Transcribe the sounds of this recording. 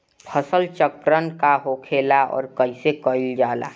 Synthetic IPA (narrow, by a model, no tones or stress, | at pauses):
pʰəsəlt͡ʃəkɾənkaɦoːkʰeːlaɔ̰ːɾkəɦisekəɪld͡ʒaːla̰ː